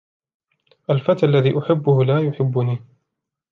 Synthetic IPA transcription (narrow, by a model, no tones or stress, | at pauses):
ʔalfat̪ʔalːaðiːʔʊħɪbːʊhʊlaːjʊħɪbːʊniː